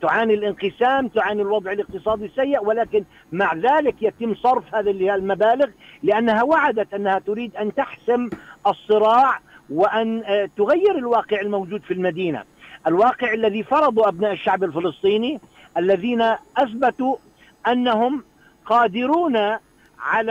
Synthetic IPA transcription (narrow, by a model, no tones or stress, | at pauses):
t̪ʊʕaːnilʔɪnqɨsaːmt̪ʊʕaːnilwɑd̪ˤʕɪlɪq̚t̪ɨsˤɑːd̪ˤisajːɪʔwɪlaːkɪn | maʕðaːlɪkjat̪ɪmːsˤɑɾˤfhaːðallmabaːlɪɣlɪʔanːaɦawaʕad̪at̪ʔanːahat̪ʊɾiːd̪ʔant̪aħsɪmʔɑsˤːɨɾɑːʕwɪʔant̪ʊɣajːɪɾɪlwɑːqɪʕɪlmawd͡ʒuːd̪filmad̪iːna̰ | ʔalwɑːqɪʕalːaðifɑɾˤɑd̪ˤuʔabnaːʔɪʃːaʕbalfɪlɨsˤt̪ˤiːni | ʔalːaðiːnaʔaθbat̪u | ʔanːaɦʊm | qɑːd̪ɪɾuːna | ʕal